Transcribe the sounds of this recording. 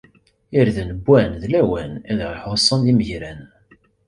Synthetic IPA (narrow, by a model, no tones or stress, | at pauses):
iɾðnəbʷːænðlæwænæðʁiħoʁsˤːɑnðiməʝɾæn